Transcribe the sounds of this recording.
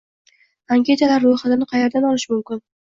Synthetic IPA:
aŋʲkʲʰe̞t̪ʰalaɾːoχɑt̪ɪnɪqʰɑjeɾd̪anɒlɪʃmʊmkʲɪn

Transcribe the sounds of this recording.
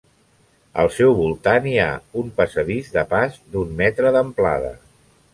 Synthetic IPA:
ə̰lˠsɛwβulˠt̪ania̰umpəsəðizðəpazd̪ummɛt̪ɾəðəmpla̰ðə̰

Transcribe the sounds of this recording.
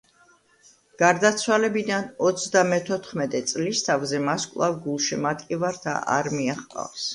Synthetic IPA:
ɡ̥aɾd̪at̪sʰwalɛbid̪anɔt̪sʰd̪amɛt̪ʰɔt̪ʰχmɛt̪ʼɛt̪sʼlist̪ʰavzɛmaskʼlˠavɡulˠʃimat̪ʼkʼivaɾt̪ʰa̰ʔa̰ɾmiaχqʼa̰fs

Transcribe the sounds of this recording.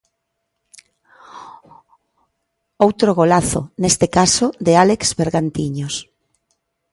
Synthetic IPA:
owt̪ɾoɣolaθo̰nest̪ekasod̪ealekzβeɾɣant̪iɲos

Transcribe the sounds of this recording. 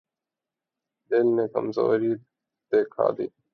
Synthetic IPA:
d̪ɪlneːkəmzo̰ːɾiː | d̪̥eːkʰa̰ːd̪ḭː

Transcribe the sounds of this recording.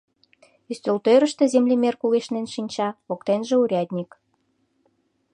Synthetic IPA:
yst̪ʲølt̪øɾə̆ʃt̪ĕzemlʲimerkuɣeʃnenʃinʲt͡ɕɑβokt̪enʒeuɾʲɑd̪ʲnʲik

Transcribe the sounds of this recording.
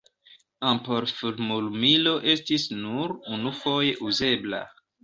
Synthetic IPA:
ampoɾfuɾmulmilo̞ʔe̞stisnuɾunufo̞je̞ʔuze̞bla̰

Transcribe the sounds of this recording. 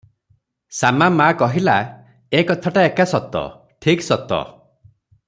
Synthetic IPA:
samamakɔɦila | ekɔt̪ʰaʈaekasɔt̪ɔ̰ | ʈʰiksɔt̪ɔ̰

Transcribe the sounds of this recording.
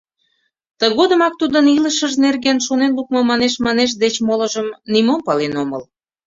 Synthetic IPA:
t̪əɣod̪əmɑk̚t̪ud̪əniləʃəʒnerɣenʃonenluk̚mŏmɑneʃmɑneʃ̬d̪et͡ɕmolə̆ʒəmnimompɑlenoməl

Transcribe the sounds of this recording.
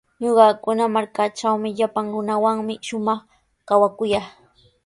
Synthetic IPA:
ɲoɢɑkʊnamaɾkat͡ʃawmɪʎapaŋɾʊnawaŋmɪʃʊmɑχ | kawakʊjaːχ

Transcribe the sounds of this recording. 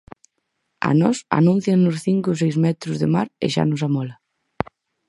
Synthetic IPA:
a̰nɔsa̰nũn̟θjannʊsθiŋkʊs̬ejzmɛt̪ɾʊzðemaɾḛʃa̰nʊsamɔlɐ

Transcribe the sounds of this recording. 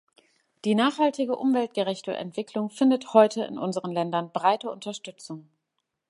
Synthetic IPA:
d̥iːnaːχhaltɪɡəʔʊmvɛlt̚ɡ̥əʁɛçtə̰ʔɛ̰ntv̥ɪkʰlʊŋfɪndəthɔʏtəɪ̰nʔʊnzəʁənlɛndɐnbʁaɪtəʊntɐʃtʏt͡sʊŋ

